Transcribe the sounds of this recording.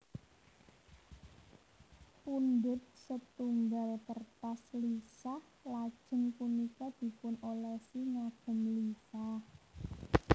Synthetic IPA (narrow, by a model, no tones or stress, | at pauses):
pund̪ɪt̪̚sət̪uŋɡalp̪ərt̪aslisah | lad̥ʒ̥ə̤npunikad̪̥i̤pʊnolɛsiŋaɡ̥ə̤mlisah